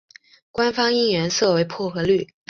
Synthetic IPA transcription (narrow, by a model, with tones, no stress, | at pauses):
kwa˥nfɑ˥ŋi˥ŋɥɛ˧˥nsɤ˥˩we˧˥ɪpʰwɔ˥˩xɤ˧˥ly˥˩